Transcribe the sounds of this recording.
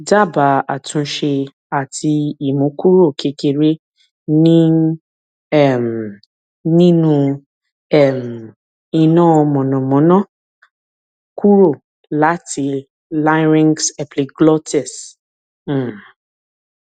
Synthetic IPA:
da˦˨ba˨˦a˨tũ˨˧˦ʃe˧ | a˨tʰi˧i˨mõ˨˦ku˦ɾo˦˨kʰe˨˧ke˧ɾe˦ | nĩ˦ | ɛ˦˨m̩˨ | nĩ˦nũ˧ | ɛ˦˨m̩˨ | i˧nãː˦ɔ˧mɔ̃˨nɔ̃˨mɔ̃˨˦nã˦˨ | ku˦ɾo˦˨ | la˨˦ti˧ | la˦ɾĩ˦ŋɡsɛ˨pli˧ɡlɔ˦tɛ˦˨s̩˦˨

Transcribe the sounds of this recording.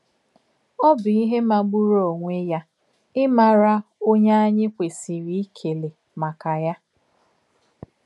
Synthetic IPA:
ɔ˦bʊ˨i˦ɦe˦ma˨ɡ͡bu˦ɾo˦˨ŋʷe˦ja˦ | ɪ˦ma˨ɾa˦o˦ɲa˦a˦ɲɪ˦kʷe˨si˨ɾi˦i˦kʰe˨le˨ | ma˨ka˨ja˦

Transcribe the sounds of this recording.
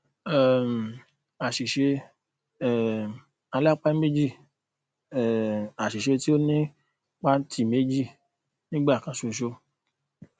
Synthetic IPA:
ɛ˨m˨ | a˨ʃi˨ʃe˧˦˨ | a˧la˦k͡pa˦me˦d͡ʒi˦˨ | a˨ʃi˨ʃe˧ti˦o˦nĩ˦ | k͡pa˦tʰi˦˨me˨˦d͡ʒi˦˨ | nĩ˦ɡ͡ba˦˨kã˧so˨˧˨ʃo˧˦

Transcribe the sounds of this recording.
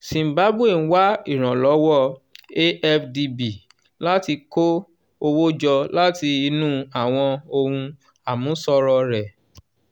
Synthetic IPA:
sĩ˨m̩˨ba˨˦bu˦e˦˨n̩˦wa˦i˦˨ɾ̃ã˨lɔ˨˦wɔ˦e˦ɛ˦fdi˧bi˨ | la˦ti˧ko˦ | o˧wo˦d͡ʒɔ˧la˦ti˧i˧nũ˦a˦˨w̃ɔ̃˧o˧hũ˧ | a˨mũ˨˦sɔ˧ɾɔ˧ɾɛ˨

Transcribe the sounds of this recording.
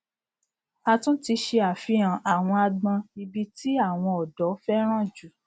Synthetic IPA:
a˧tũ˦ti˧ʃe˧a˨fi˨˦ã˨ʔa˨w̃ɔ̃˧a˧ɡ͡bã˧i˧bi˧ti˦a˦˨w̃ɔ̃˧ɔ˨dɔ˨˦fɛ˦ɾ̃ã˦˨d͡ʒu˨˦

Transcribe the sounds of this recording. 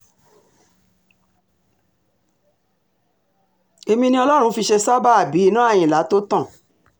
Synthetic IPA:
e˧mĩ˧nĩ˦ɔ˧lɔ˦ɾ̃ũ˧fi˧ʃe˧sa˦ba˦a˦˨bi˨˦i˦nã˦a˦˨j̃ĩ˨la˨˦to˦tã˦˨

